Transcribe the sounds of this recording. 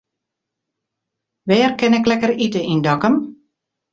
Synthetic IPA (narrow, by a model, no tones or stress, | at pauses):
ʋɛːrkɛnɛklɛkəritəʔindɔkəm